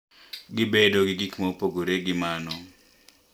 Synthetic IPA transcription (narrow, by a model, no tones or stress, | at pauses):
ɡɪbedoɡɪɡikmopoɡoɾeɡɪmanɔ